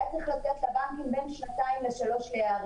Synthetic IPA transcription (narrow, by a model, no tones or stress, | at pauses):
et͡seχlat̪et̪labaŋkimbenʃnat̪aimleʃalo̞ʃlejaːʁ